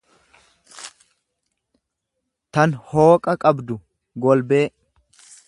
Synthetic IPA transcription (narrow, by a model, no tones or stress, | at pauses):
t̪ɐnhoːkʼɐkʼɐbd̪ʊ | ɡɔlbeː